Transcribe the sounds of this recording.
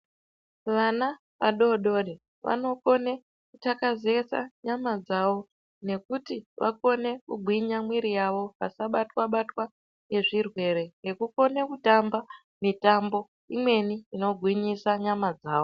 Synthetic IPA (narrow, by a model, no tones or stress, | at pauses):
ʋana | ʋaɗo̞ɗo̞ɾi | ʋʔa̰no̞ko̞ne̞ | kutakazesa̰ɲamad͡zaʋo̞ | ne̞kutiʋa̰ko̞ne̞kuɡʱwiɲamwiɾijaʋo̞pasaɓatwaɓatwa | je̞ʐirwe̞ɾe̞ŋɡe̞kuko̞ne̞kutamba | mitambo̞ | imwe̞niino̞ɡʱwiɲisaɲamad͡zaːʋo̞